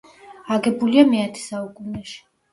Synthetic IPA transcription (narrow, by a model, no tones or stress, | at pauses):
aɡɛbuliamɛat̪ʰɛ̥saukʼunɛʃi̥